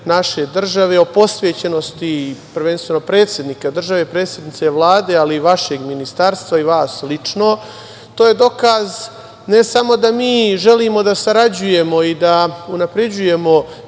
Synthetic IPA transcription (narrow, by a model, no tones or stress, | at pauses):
naʃe̞d̪r̩ʒaʋeo̞po̞sʋeːt͡ɕe̞no̞st̪ipr̩ʋe̞nst̪ʋe̞nopɾe̞ːt̪sje̞d̪nikad̪r̩ʒaʋe̞pɾe̞ːt̪sʲjed̪nit̪se̞ʋlˠaːd̪e̞ːaliːʋaʃe̞ɡminist̪aɾst̪ʋaiʋaːslit͡ʂno̞ | t̪o̞ːje̞d̪o̞kaz | ne̞samo̞d̪amiːʒe̞liːmo̞d̪asaɾad͡ʑuje̞mo̞id̪aunapɾe̞d͡ʑuje̞mo̞